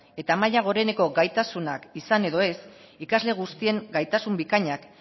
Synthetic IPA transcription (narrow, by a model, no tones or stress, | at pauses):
e̞t̪amaʎaɣ̞o̞ɾe̞ne̞ko̞ɡajt̪asuna̰kisane̞ðo̞e̞s | ikazle̞ɣ̞ust̪ie̞ŋɡajt̪asumbikaɲak